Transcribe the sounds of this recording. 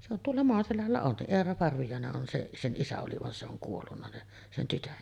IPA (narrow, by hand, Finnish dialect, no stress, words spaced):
se on tuolːɑ moɑselælːæ on se eːrɑ pɑrʋijɑˑeneʔ ʔon seʔ sen ʔisæ oli ʋɑn se oŋ kuolːunːɑ ni sen tytøʔ